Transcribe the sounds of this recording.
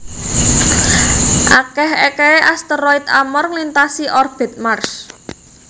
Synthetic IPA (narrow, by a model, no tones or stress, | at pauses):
ʔakɛɦekeeʔast̪əɾɔit̪amɔrŋlint̪asiʔɔrb̥ɛ̤t̪̚mars